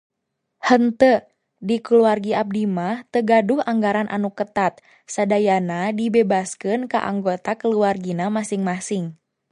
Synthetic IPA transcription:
hənt̪ə | dikəluarɡiap̚dimaht̪əɡaduhaŋɡaɾanʔa̰nukət̪at̪̚ | sadajanadibebaskɨnka̰ʔa̰ŋɡot̪akəluarɡinamasiŋmasɪŋ

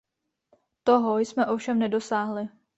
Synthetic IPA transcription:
t̪o̞ɦojsmɛʔo̞fʃɛmnɛdo̞saːɦlɪ

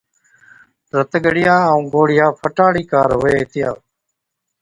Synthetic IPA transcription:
ɾət̪ɡəɽɪjãːəũːɡoːɽɪjãːpʰəʈaːɽiːkaːɾɦoeːɪt̪ɪja̰ː

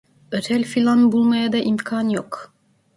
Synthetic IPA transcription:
øt̪ʰælʲfilʲˠanbulˠmajad̪aʔimkʰaːnjok

